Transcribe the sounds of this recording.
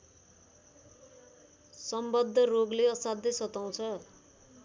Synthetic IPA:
sʌmbʌd̪ʱːʌroɡleʌsad̪ʱʌsʌt̪aw̃t͡sʰʌ

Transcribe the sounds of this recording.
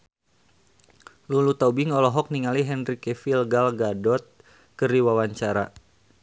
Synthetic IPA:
lulut̪aubiŋɔlɔɦɔk̚niŋaliɦɛnrikɛfilɡalɡadɔt̪̚ | kəɾiwawaɲt͡ʃaɾa

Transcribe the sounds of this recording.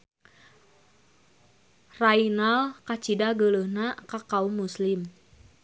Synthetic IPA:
rainalkat͡ʃidaɡələhnakakaumːuslɪm

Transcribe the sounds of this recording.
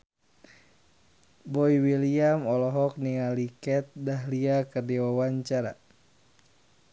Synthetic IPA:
bɔiwiliamɔlɔɦɔk̚niŋalikɛt̪̚daɦliakɨrdiwawaɲt͡ʃaɾa̰

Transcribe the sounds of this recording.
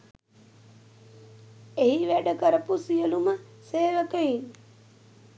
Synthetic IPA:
eɦiʋæɖəkəɾəpusijəluməseːʋəkəiŋ

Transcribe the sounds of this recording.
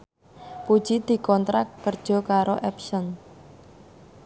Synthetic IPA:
pud̥ʒ̥id̪̥i̤kɔnt̪ɾakːərd̥ʒ̥ɔ̤kaɾoʔɛpsɔn

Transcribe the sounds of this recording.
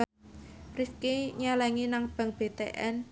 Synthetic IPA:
rifkeɲalɛŋinaŋb̥a̤ŋb̥e̤t̪ḛʔɛn

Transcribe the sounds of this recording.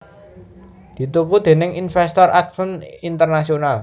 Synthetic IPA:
d̪̥i̤t̪ukud̪̥e̤nɪŋinfɛst̪ɔrʔat̪̚fənint̪ərnasional

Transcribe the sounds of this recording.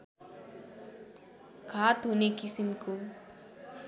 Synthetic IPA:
kʰaːt̪ɦunekisimku

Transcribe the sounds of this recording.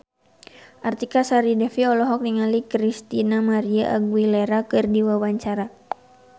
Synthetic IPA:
ʔart̪ikasaɾidɛfiɔlɔɦɔk̚niŋalikɾist̪inamaɾiaʔaɡwilɛɾakɨrdiwawaɲt͡ʃaɾa

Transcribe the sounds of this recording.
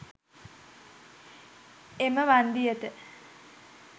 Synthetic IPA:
eməʋand̪ijət̪ə

